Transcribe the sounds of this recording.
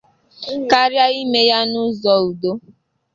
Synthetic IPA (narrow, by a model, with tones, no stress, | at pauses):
ka˦ɾja˦i˦me˦ja˦nʊ˦zɔ˨u˨do˦